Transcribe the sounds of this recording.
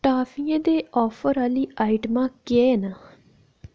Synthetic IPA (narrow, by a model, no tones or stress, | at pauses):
ʈaːfʰiẽːd̪eːɔːpʰəɾaːliːʔaːiʈmãːkɪeːnaː